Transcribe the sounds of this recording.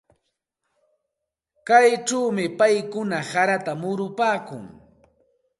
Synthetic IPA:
kajʈ͡ʂawmɪpajkʊnasaɾat̪amʊɾʊpaːkʊ̰ŋ

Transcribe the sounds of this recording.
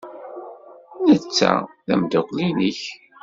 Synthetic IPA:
nət͡sːæ̰ðæmd̪ʊqliniç

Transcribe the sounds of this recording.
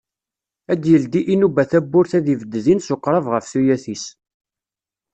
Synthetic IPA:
æd̪jəld̪iʔinubæθæbːʊɾθæðivəd̪ːəðinsoqːɾˤəvʁəfθujæθis

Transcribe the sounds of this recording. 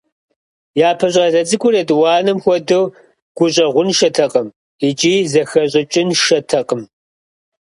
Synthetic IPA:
jaːpʰɐɕʼɐzɐt͡sʼɨkʷʊrɐdwɑːnɨmxʷɔdɐw | ɡ̥ʷʊɕʼɐʁʷʊnʃɐtʰɐqʼɐm | it͡ʃʼiːzɐxɐɕʼɪt͡ʃʼɪnʃɐtʰɐqʼəm

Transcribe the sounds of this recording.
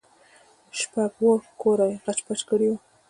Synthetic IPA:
ʃpaɡwokoɾajɣat͡ʃpat͡ʃkəɽiwu

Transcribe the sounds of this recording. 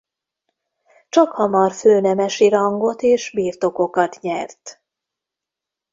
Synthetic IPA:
t͡ʃɒkhɒmɒrføːnɛmɛʃiɾɒŋɡo̞t̪eːʃbiːrt̪o̞ko̞kɒt̪ɲɛrt̪

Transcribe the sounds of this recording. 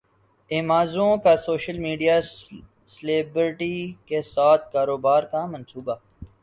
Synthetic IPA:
eːmaːzõkasoːʃəlmiːɖijaː | sleːbɾɪʈikesaːt̪̚ʰkaːɾoːbaːɾkamə̃nsuːba

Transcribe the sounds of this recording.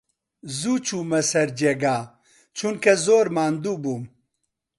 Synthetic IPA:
zut͡ʃʰumɐsɐɾd͡ʒeɡaː | t͡ʃʰunkɐzoːɾmaːnd̪ubum

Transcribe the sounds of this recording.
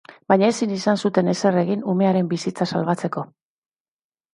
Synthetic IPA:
bajɲaesinisansut̪e̞ne̞se̞re̞ɣinume̞aɾe̞mbisit͡sasalβat͡se̞ko̞

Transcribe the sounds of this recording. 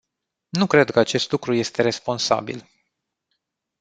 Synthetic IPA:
nukɾe̞d̪kəat͡ʃe̞st̪lukɾuje̞st̪e̞ɾe̞spo̞nsa̰bḭl

